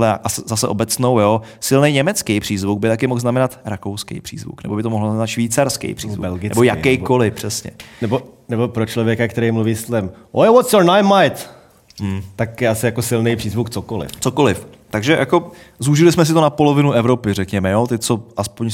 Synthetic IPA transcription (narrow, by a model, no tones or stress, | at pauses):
lɛa̰ʔasɛzasɛʔo̞bɛt͡snowjosɪlnɛjɲɛmɛt͡skejpr̝̥iːzvuɡ̚bɪt̪akɪmoɣznamɛnat̪ɾakowskɛ̰jpr̥ḭːzvṵknɛ̰bo̞bɪt̪oo̞ɦloznamɛnat̪ʃviːt͡saɾskɛ̰jpr̝̥ḭzvuɛlɡɪnɛ̰bojakɛjko̞lɪfpr̝̥ɛsɲɛ̰nɛbonɛbopɾot͡ʃlovjɛkakt̪ɛɾɛjmluviːst̪lɛmʔowɔt̪sjoɹnajnmajt̪ | m̩t̪akjɛasɪjakosɪlnejpr̥iːzvukt͡sokolɪ̰ft͡soko̞lɪf | t̪aɡʒɛjʔako̞zuʒɪlɪsmɛs̬ɪt̪onapo̞lo̞vɪnuʔɛvɾo̞pɪrɛkɲɛmɛjot̪ɛt͡so̞ʔaspoɲ